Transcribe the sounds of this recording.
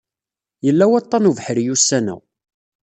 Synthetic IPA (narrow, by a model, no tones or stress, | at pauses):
jəlːæwɑt̪ˤːɑnuvħəɾjusːænæ̰